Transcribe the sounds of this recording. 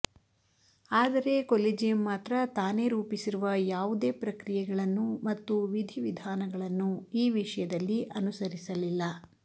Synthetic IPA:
aːd̪ɐɾe̞ːkolid͡ʒijɐmːaːt̪ɾɐt̪aːne̞ːɾuːpisiɾuʋɐjaːʋud̪e̞ːpɾɐkɾijɛɡɐɭɐnːumɐt̪ːuʋid̪ʱiʋid̪ʱaːnɐɡɐɭɐnːuiːʋiʂɐjɐd̪ɐlːiʔɐnusɐɾisɐlilːɐ

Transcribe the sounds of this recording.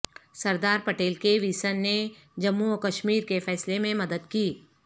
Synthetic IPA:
sɐɾd̪aːɾpɐʈeːlkeʋiːsənːe | d͡ʒɐmːuokəʃmiːɾkefɛːslemẽmɐd̪əd̪kiː

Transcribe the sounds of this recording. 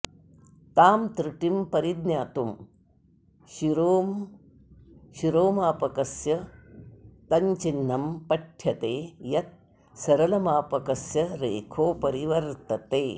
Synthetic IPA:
t̪aːmt̪ɾiʈimpɐɾid̪njaːt̪um | ʃiɾoːm | ʃiɾoːmaːpɐkɐsjɐ | t̪ɐɲt͡ʃinːɐmpɐʈʰjɐt̪eːjɐt̪̚ | sɐɾɐlɐmaːpɐkɐsjɐɾeːkʰoːpɐɾiʋɐɾt̪ɐt̪eː

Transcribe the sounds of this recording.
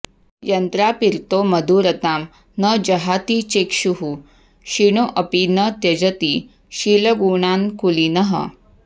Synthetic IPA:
jənt̪ɾapiɾt̪oməd̪uɾət̪am | nəd͡ʑəɦat̪it͡ɕekʂuɦu | ɕiɳ̃oʔəpinət̪jɐd͡ʑət̪i | ɕiləɡuɳankulinəɦə̰

